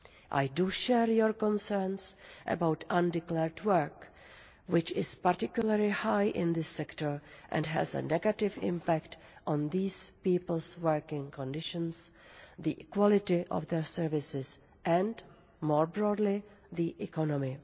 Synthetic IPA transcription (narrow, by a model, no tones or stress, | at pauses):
ʔa̰jduʃɛɹjɔɹkɔ̃nsɛɹnsʔə̰bawtʰʔãndɪklɛɹdwəɹk | wɪt͡ʃɪspaɾtɪkjuləɹlɪhajʔɪ̰̃nðɪsːɛktəɹʔɛ̰̃ndɦɛ̰zə̰nɛɡatɪvɪ̰̃mpækt | ʔɔ̃nðiːspiːpl̩ˠswɜɹkɪ̃ŋkʰɔ̃ndɪʃə̃nsðiʔɪkwɔlɪtɪʔɔ̰fd̪ɛɹsɛɹvɪsɪs | ʔɛ̃nd | mɔːɹbɹɔːdlɪðiʔɛkɔnɔmɪ